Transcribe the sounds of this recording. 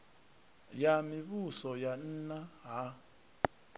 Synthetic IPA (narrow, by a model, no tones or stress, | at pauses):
jamiβusɔjan̩naɦa